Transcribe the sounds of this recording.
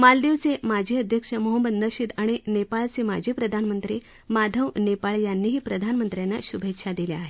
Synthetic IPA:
mald̪iʋsemad͡ʑʱiəd̪ʱjəkʂəmoɦəmbəd̪nəɕit̪aɽ̃inepaɭsemad͡ʑʱipɾəd̪ʱanmənt̪ɾi | mad̪ʱəʋnepaɭjanːiːɦiːpɾəd̪ʱanmənt̪ɾjanːa̰ɕubʱekɕʰad̪ileaɦe

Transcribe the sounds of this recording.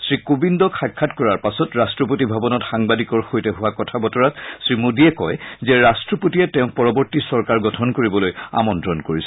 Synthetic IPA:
sɹikobindɔkʰajkʰːatkɔɹaɹpasɔtɹastɹɔpotibʱabɔnɔtxaŋbadikɔɹxojtɛɦʊwakɔtʰabɔtɔɹatsɹimodiɛkɔjzɛɹastɹɔpotiɛtɛʊ̃pɔɹɔbɔɹtisɔɹkaɹɡɔtʰɔnkoɹibɔloja̰mɔntɹɔnkoɹisɛ̥

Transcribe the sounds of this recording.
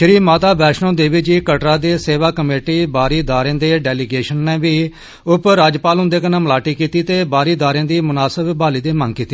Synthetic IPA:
ʃɾiːmaːt̪aːbɛːʃnõːd̪eːʋiːd͡ʒiːkəʈɾaːd̪eːseːʋaːkəmeːʈiːbaːɾiːd̪aːɾẽːd̪eːɖɛːliɡeːʃənːeːʋiː | ʊpɾaːd͡ʒpaːlʊ̃nd̪eːkənãːmlaːʈiːkiːt̪iːt̪eːbaːɾiːd̪aːɾẽːd̪iːmʊnaːsəbbaːliːd̪eːmə̃ŋɡkiːt̪ːiː

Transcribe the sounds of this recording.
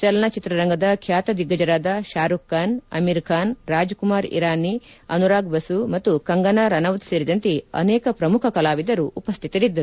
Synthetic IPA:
t͡ʃɐlɐnɐt͡ʃit̪ɾɐɾɐŋɡɐd̪ɐkʰjaːt̪ɐd̪iɡːɐd͡ʒɐɾaːd̪ɐʃaːɾukːaːnɐ̰miɾkʰaːnɾaːd͡ʒkumaːɾḭɾaːniɐ̰nuɾaːɡbɐsumɐt̪ːukɐŋɡɐnɐɾɐnɐʋɐt̪seːɾid̪ɐnt̪eɐ̰nɛːkɐpɾɐmukʰɐkɐlaːʋid̪ɐɾuʔːpɐst̪ʰi̥t̪ɐɾid̪ːɐɾu

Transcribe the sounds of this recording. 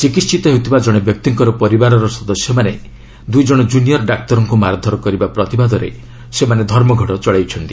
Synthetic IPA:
t͡ʃikist͡ʃit̪ɔɦewt̪ʰibad͡ʒɔɽ̃ebjɔk̚t̪iŋkɔɾɔpɔɾibaɾɔɾɔsɔd̪ɔsjɔmane | d̪ujd͡ʒɔɽ̃ɔd͡ʒuniɔɾɖak̚t̪ɔɾɔŋkumaɾad̪ʱɔɾɔkɔɾibapɾɔt̪ibad̪ɔɾḛ | semaned̪ʱɔɾmɔɡʱɔɽɔt͡ʃɔɭawt͡ʃʰɔnt̪i̥

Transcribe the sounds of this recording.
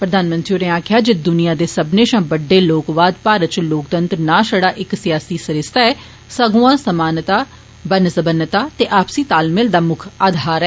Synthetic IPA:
pɾəd̪aːnmənt̪ɾioːɾẽaːkʰjaːd͡ʒɪd̪ʊnijãːd̪eːsəbneːʃãːbəɖːeːloːkʋaːd̪paːɾət̪̚t͡ʃloːk̚t̪ənt̪ɾnãːʃəɽaːʔɪksjaːsiːsəɾɪst̪aːɛː | səɡuːãːsəmaːnt̪aː | bənsəbənət̪aːt̪eːʔaːpsiːt̪aːlmɪld̪aːmʊkʰaːd̪ʱaːɾɛː

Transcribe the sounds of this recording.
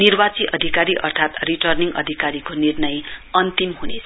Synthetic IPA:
nirbat͡siʔʌd̪ʱikaɾiʔʌ̰rt̪ʰat̪riʈʌrniŋɡʌ̰d̪ʱikaɾikonirnʌjʌnt̪imɦunet͡sʰ

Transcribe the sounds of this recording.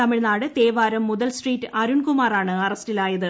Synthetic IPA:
t̪ɐmiɻnaːɽɨt̪eːʋaːɾɐmːuðɐlsʈriːtːɨɐɾunkumaːraːɳɨɐrɐstilaːjɐðɨ

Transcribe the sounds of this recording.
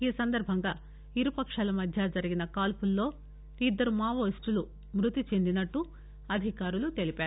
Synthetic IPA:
iːsɐnd̪ɐɾbʱɐŋɡaː | iɾupɐkʂaːlɐmɐd̪ʱjad͡ʒɐɾiɡinɐkaːlpulːo̞ː | id̪ːɐɾumaːʋoːsʈulu | mɾut̪it͡ʃe̞nd̪inɐʈːu | ɐd̪ʱikaːɾulut̪e̞lipaːɾu

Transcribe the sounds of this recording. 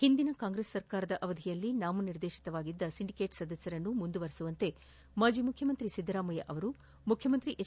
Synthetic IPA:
hind̪inɐkaːŋɡɾesːɐɾkaːɾɐd̪ɐʔɐʋɐd̪ʱijɐlːinaːmɐniɾd̪eːʃi̥t̪ɐʋaːɡid̪ːɐsiɳɖikeːʈsɐd̪ɐsjɐɾɐnːumund̪uʋɐɾesuʋɐnt̪e̞ | maːd͡ʒimukʰjɐmɐnt̪ɾisid̪ːɾaːmɐjɐʔɐʋɐɾu | mukʰjɐmɐnt̪ɾiʔe

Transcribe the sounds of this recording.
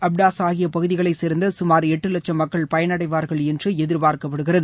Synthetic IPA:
ɐbɖaːsaːɣɪjɐpɐɣɯðɪɣɐɭɐɪsɪɾnd̪ɐsʊmaːɾɛʈːɯlɛt͡ʃːɐmɐkːɐɭpɐjɐnɐɽɐɪʋaːɾɣɐɭɛndrɯɛðɪɾbaːɾkɐpːɐɽɯɣɪrɐðɯ

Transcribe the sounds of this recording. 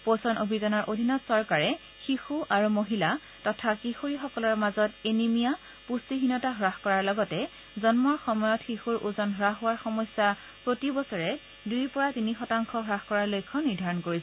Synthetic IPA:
posɔnʔobʱizanɔɹʔodʱinɔtsɔɹkaɹɛ | xixuʔaɹumoɦila | tɔtʰakixuɹixɔkɔlɔɹmazɔtenimija | pusiɦinɔtaɦɹaxkɔɹaɹlɔɡɔtɛ | zɔnmɔɹxɔmɔjɔtxixuɹʔuzɔnɦɹaɦowaɹxɔmɔsja | pɹotibɔsɔɹɛ | dujpɔɹatinixɔtaŋkʰɔɦɹaxkɔɹaɹlojkʰːɔniɹdʱaɹɔnkoɹisɛ

